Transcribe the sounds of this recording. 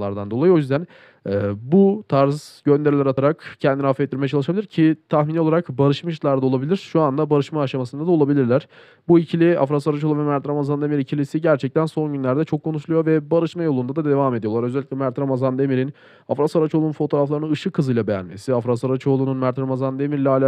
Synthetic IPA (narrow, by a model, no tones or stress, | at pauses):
aɾd̪and̪oajɯo̞jyzd̪æn | ɛːbut̪ʰaɾzɟønd̪e̞ɾilʲɛɾat̪ʰaɾakcʰɛnd̪inhafet̪̚ːiɾmejɛt͡ʃʰalˠɯʃabilʲiɾcʰit̪ʰaxminio̞lˠaɾakbaɾɯʃmaʃt̪lˠaɾd̪ao̞lˠabilʲiɾ̥ʃuand̪abaɾɯʃmaːʃamasɯnd̪ad̪aolˠabilʲiɾlʲæɾ̥ | buicʰilʲia̰fɾasaɾat͡ʃolˠuvɛmæɾt̪ɾamazand̪emiɾicʰilʲisiɟæɾt͡ʃʰɛc̚t̪ʰænso̞nɟynlʲæɾd̪ɛt͡ʃʰo̞kʰːo̞nuʃlˠujo̞vɛbaɾɯʃmajo̞lˠund̪ad̪ad̪e̞vaːme̞d̪ijo̞lˠaɾøzɛlʲːiclʲɛmæɾt̪ʰɾamazand̪emiɾin | afɾasaɾat͡ʃo̞lˠununfot̪ʰo̞ɾaflˠaɾɯnɯnɯʃɯkʰɯzɯjlˠabe̞jæ̰nme̞̰siafɾasaɾat͡ʃʰo̞lˠununmæɾt̪ʰɾamazand̪emiɾlʲɛaːlʲa